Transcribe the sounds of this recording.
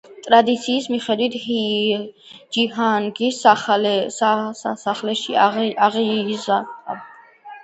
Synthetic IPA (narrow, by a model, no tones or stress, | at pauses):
t̪ʼɾad̪it̪sʰiːsmiχɛd̪wit̪ʰhi | d͡ʒihanɡisalsaasaχlɛʃiaʁizaqʼa